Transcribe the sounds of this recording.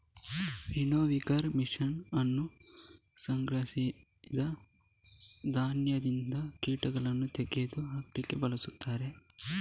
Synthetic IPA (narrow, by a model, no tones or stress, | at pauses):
ʋinoːʋikɐɾmiʂɐnɐnːu | sɐŋɡɾɐsi | d̪ɐ | d̪ʱaːnjɐd̪ind̪ɐkiːʈɐɡɐɭɐnːut̪eɡed̪uɦɐklikːebɐlɐsut̪ːaːɾe̞